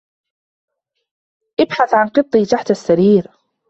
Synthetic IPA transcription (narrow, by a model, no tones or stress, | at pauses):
ʔɪbħaθʕanqɨt̪ˤːiːt̪aħt̪asːaɾiːɾ